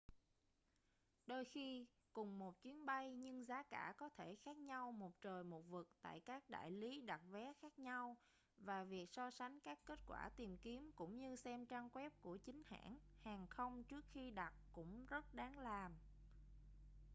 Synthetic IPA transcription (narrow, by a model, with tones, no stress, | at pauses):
ɗo˧jxi˧ | kʊ˨˩ŋ͡mmo˨˩t̚t͡ɕwi˨˦ənɓa˧jɲɨ˧ŋzaː˨˦kaː˧˩kɔ˨˦t̪ʰe˧˩xaː˦˥k̚ɲa˧wmo˨˩t̚t͡ɕəː˨˩jmo˨˩t̚vɨ˨˩k̚t̪a̰ː˧˨jkaː˦˥k̚ɗa̰ː˧˨jli˨˦ɗa˨˩t̚vɛ˨˦xaː˦˥k̚ɲa˧w | vaː˨˩vi˨˩ək̚sɔ˧sa˨˦ŋ̟kaː˦˥kːe˦˥t̚kwa̰ː˧˩t̪i˨˩mki˨˦əmkʊ̰˧˥ŋ͡mɲɨ˧sɛ˧mt͡ɕaː˧ŋkwɛ˦˥p̚ku˧˩ət͡ɕï˨˦ŋ̟ha̰ː˧˥nhaː˨˩ŋxə˧wŋ͡mt͡ɕɨ˦˥ək̚xi˧ɗa˨˩t̚kʊ̰˧˥ŋ͡mzə˦˥t̚ɗaː˨˦ŋlaː˨˩m